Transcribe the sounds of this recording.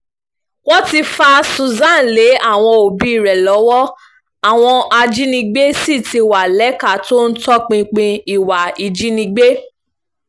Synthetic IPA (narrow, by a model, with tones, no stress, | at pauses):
wɔ˦ti˧fa˦su˧˨zã˦˨n˨le˨˦a˦˨w̃ɔ̃˧o˨bi˨˦i˦˨ɾɛ˨lɔ˨˦wɔ˦ | a˨w̃ɔ̃˧a˧d͡ʒi˦nĩ˧ɡ͡be˦si˦˨ti˧˨wa˨lɛ˨˦ka˦˨to˦n̩˦tɔ˦k͡pĩ˧k͡pĩ˧i˨wa˨i˨d͡ʒi˨˦nĩ˧ɡ͡be˦